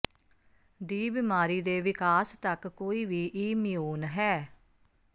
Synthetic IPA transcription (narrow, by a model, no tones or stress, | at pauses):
d̪iːbɪmaːɾiːd̪eːʋɪkaːst̪əkkːoːiːʋiːʔiːmɪjuːnɦɛː